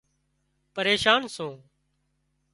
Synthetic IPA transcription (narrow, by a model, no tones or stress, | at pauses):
pəɾeːʃaːnsõː